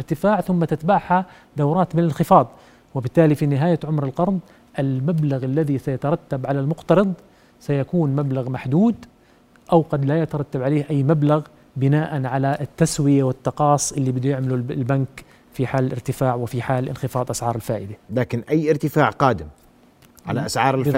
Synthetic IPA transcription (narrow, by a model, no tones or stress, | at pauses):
ɪɾt̪ɪfaːʕθʊmːat̪ɪt̪baʕħha | d̪awɾˤɑːt̪mɪnalɪnxɪfɑːd̪ˤ | wɪbɪt̪ːaːlifinɪɦaːjaʕʊmɾɪlqɑɾˤd̪ˤ | ʔɪlmablaɣalːaðisajat̪ɑɾˤɑt̪ːabʕalalmʊqt̪ɑɾˤɑd̪ˤ | sajakuːnmablaɣmaħd̪uːd̪ | ʔawqɑd̪lajat̪ɑɾˤɑt̪ːabʕaleːhʔajːmablaɣ | bɪnaːʔanʕalaʔt̪ːaswɪjawɪt̪ːɑqɑːsˤːʔɪlːibɪd̪ujɪʕmalulbank | fiħaːlɪ̰ɾt̪ɪfaːʕwɪfiħaːlʔɪnxɪfɑːd̪ˤʔasʕɑːɾˤɪlfaːʔɪd̪alaːkɪnʔajːʔɪɾt̪ɪfaːʕqɑːd̪ɪm | ʕa̰laʔasʕɑːɾˤɪl